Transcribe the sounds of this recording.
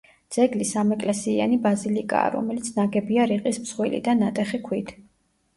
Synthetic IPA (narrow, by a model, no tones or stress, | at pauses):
d̪z̥ɛɡlisamɛkʼlɛsia̰nibazilikʼa̰ːɾɔ̰mɛlit̪sʰnaɡɛbiaɾiqʼismz̥ʁwilḭd̪anat̪ʼɛχikʰwit̪ʰ